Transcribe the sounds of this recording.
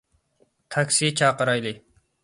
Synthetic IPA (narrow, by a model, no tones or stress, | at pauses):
t̪ʰɑkʲsit͡ʃʰɑːqəɾɑjlˠɨ